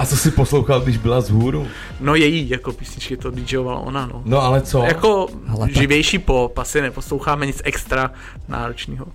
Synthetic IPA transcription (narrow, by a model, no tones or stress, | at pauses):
ʔat͡sosɪposlowxalɡdɪʒbɪlazɦuːɾu | nojɛjiːjako̞piːsɲɪt͡ʃkɪt̪odɪcʒɛlovala̰ʔo̰nano̰noalɛt͡sojakoʒɪvjɛjʃiːpopasɪnɛposlo̞wxaːmɛɲɪt͡sʔɛkst̪ɾa | na̰ːɾot͡ʃniːɦo